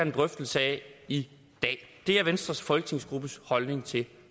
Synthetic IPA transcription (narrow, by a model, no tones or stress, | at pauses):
end̥ʁœfd̥l̩səɛi | d̥ɛ̰ːd̥e̝æɐʋensd̥ʁɐsfɒlɡ̥ət͡sʰe̝ŋ̰sɡ̥ʁub̥əshɒ̽lne̝ŋt͡sʰe̝